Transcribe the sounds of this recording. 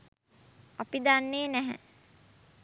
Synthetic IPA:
apid̪anːeːnæɦɛ̰

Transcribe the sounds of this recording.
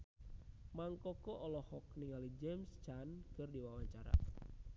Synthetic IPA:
maŋkɔkɔʔɔlɔhɔk̚niŋalid͡ʒɛmst͡ʃankɨrdiwawaɲt͡ʃaɾa̰

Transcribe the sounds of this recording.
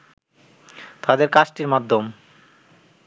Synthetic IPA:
t̪ad̪eɾkat͡ɕʈiɾmad̪ʱːom

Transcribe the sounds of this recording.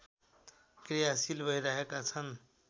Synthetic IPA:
krijasilbʱʌjɾaɦekat͡sʰʌn

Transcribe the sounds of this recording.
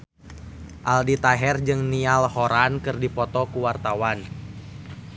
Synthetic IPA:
ʔaldit̪aɦɛrd͡ʒɨŋnialhoɾankɨrdipɔt̪ɔkuwart̪awan

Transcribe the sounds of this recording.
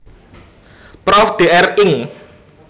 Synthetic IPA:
pɾɔfɖ̪̥eʔɛrɪŋ

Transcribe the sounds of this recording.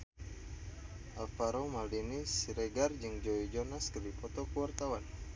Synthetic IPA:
ʔafaɾomaldinisiɾɛɡard͡ʒɨŋd͡ʒoid͡ʒɔnaskərdipɔt̪ɔkəwart̪awan

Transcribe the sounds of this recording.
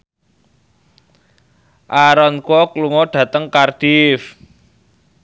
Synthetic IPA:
ʔaɾɔnkwɔkluŋɔɖ̥ä̤t̪əŋkard̥if

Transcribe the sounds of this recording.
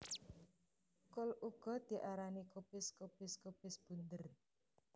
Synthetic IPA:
kʊlʔuɡ̥ɔ̤d̪̥i̤ʔaɾanikopɪskopɪskopɪsb̥ṳnd̪ər

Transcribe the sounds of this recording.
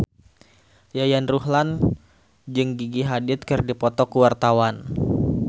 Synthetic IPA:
jajanruhlan | d͡ʒɨŋɡiɡiɦadɪt̪̚kɨrdipɔt̪ɔkuwart̪awan

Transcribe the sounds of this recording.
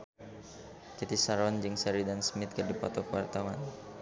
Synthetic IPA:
kɛt̪isaɾɔnd͡ʒɨŋsɛɾidansmɪt̪̚kədipɔt̪ɔkəwart̪awan

